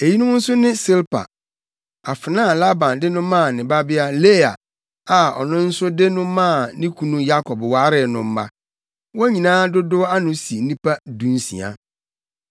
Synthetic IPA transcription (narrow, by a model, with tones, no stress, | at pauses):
e˨ji˦nʊ̃˦n̩˦sʊ˦nɪ̃˦sɪ˦lpʰa̰˨ | a˨fɪ˨nãː˦˨la˦bã˨ndɪ˦nʊ̃˦mã˦˨nɪ̃˨ba˦bɪ˦a˦le˦a˨ | a˨ɔ̰˨nʊ̃˦n̩˦sʊ˦de˦nʊ̃˦mã˦˨nĩ˦kʰu˦nũ˦ja˦kʰɔ˨bwaː˦ɾɪ˨nʊ̃˨m̩˦ma̰˦ | wɔ˦æ˦ɲĩ˨nãː˦dʊ˦dʊ˦a˦nʊ̃˦si˨˦nĩ˦pa˦dũ˨n˦sḭ̃˨a̰˨